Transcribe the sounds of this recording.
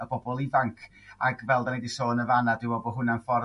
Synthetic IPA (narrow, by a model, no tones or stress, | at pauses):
əbɔbɔlˠivaŋkʰ | aɡvɛlˠdanedisoːnəvanadɪwɔbɔɦʊnanfɔr